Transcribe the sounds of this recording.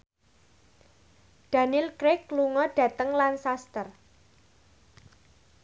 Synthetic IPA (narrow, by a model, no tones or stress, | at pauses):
ɖ̥a̤nilkɾɪkluŋɔɖ̥a̤t̪əŋlansast̪ər